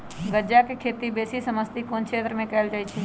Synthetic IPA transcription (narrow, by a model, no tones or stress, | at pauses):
ɡəd͡ʒakekʰeːt̪ibeːsisəməst̪ikoːnt͡ʃʰet̪ɾəmẽkəld͡ʒaːjt͡ʃʰe